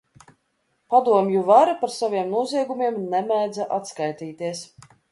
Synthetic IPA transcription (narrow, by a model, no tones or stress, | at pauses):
pad̪uɔmjuvaɾapaɾsavʲiɛmnuɔziɛɡumiɛmnɛmæjd̪zaʔat̪skajt̪iːt̪iɛs